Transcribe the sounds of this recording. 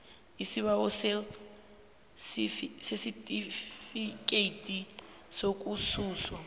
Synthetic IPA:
isiβaɔse | sifisesitʼifikʼeitʼi | sokʼusuːswa

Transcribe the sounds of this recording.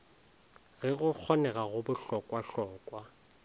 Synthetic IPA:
ɣɛɣʊk͡xʰɔnɛɣaɣʊbʊɬɔkʼwaɬɔːkʼwa

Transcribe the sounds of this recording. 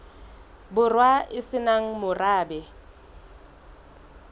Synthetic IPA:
bʊrwaɪsɪnaŋ̩mʊraːbɛ

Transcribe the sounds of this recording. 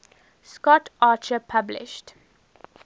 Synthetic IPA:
skɔtʔaːt͡ʃəpʰablɪ̰ʃt

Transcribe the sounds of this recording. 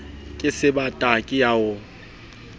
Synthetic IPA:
kʼɪsɪbatʼakʼɪjaʊ

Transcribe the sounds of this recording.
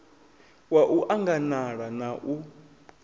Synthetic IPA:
waʔuʔaŋɡanaɺanaʔu

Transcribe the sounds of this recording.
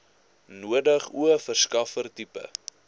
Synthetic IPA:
nuədəχuəfərskɐfərtipə̰

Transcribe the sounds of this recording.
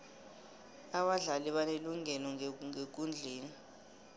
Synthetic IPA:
aɓaɮaliɓaneluŋɛlɔŋek̬und͡ɮʱeːni

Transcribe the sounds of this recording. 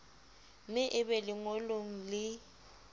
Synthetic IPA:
mɪʔɪbɛlɪŋoloŋ̩lɪ

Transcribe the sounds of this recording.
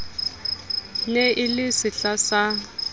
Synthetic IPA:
nɛʔɪlɪsɪɬasa

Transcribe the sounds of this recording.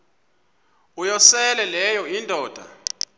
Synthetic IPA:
ujɔsɛlɛlɛjɔindʱɔːd̥ʱa̰

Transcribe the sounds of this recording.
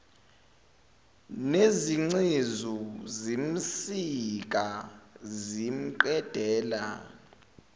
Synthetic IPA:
neziŋ͡ǀezuzim̩sik̬ʼazim̩ǃɛd̥ʱɛːla̰

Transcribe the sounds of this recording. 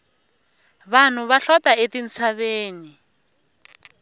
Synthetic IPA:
βan̤uβaɬɔtaetin̩t͡sʰaβeːni

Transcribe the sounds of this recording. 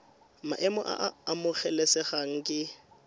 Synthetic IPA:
ma̰ʔɛmɔʔa̰ːmʊχɛlɛsɛχaŋ̩kʼɪ

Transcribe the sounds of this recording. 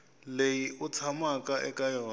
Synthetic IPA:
lejiʊt͡sʰamakʼaʔɛkʼajɔː

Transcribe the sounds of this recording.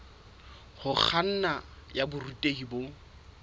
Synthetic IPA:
hʊk͡xʰan̩najabʊrutʼehibo

